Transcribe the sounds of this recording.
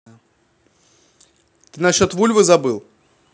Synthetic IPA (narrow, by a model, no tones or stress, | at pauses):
t̪ɨnɐɕʲot̪vulʲvɨzɐbɨlˠ